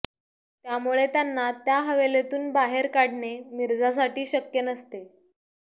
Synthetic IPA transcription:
t̪jamuɭet̪janːat̪jaɦəʋelet̪uːnbaɦeɾkaɽɳeniɾd͡zas̬aʈiːɕəkjənəst̪e

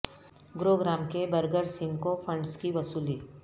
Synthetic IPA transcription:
ɡɾoːɡɾaːmkebɐɾɡəɾsɪ̃ŋɡkopʰə̃ɳɖskiʋɐsuːliː

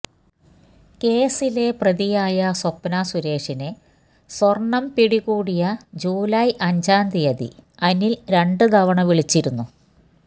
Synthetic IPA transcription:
ke̞ːsile̞prɐðijaːjɐsopːnasuɾe̞ːʂine | sorɳɐmpiɽiɣuːɽijɐd͡ʑuːlɐjʔɐɲd͡ʑaːnd̪ijɐðḭɐnilɾe̞ɳɖɨd̪ɐʋɐɳɐʋiɭit͡ɕːiɾunːu

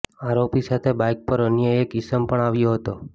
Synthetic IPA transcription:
aɾopisat̪ʰebajk̚pəɾənjəekɪsəmpəɳaʋjoɦət̪o

